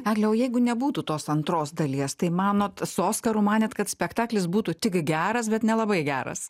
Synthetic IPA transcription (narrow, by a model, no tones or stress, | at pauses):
æːɡlʲɛoːjɛɪɡʊnʲɛbuːt̪uːt̪oːsɐnt̪ɾoːsd̪ɐlʲiɛst̪ɐɪmɑːnoːt̪soːskɐɾuːmɑːnʲɛt̪kɐt̪sʲpʲɛkt̪ɑːklʲɪsbuːt̪ut̪ʲɪkɡʲæːɾɐsbʲɛt̪nʲɛlˠɐbɐɪɡʲæːɾɐ̰s